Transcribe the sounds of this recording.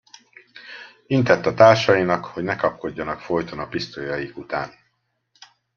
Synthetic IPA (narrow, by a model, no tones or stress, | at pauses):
int̪ɛt̪ːɒt̪aːrʃɒjinɒkho̞ɟnɛkɒp̚ko̞ɟːɒnɒkfo̞jt̪onɒpist̪ojɒjikut̪a̰ːn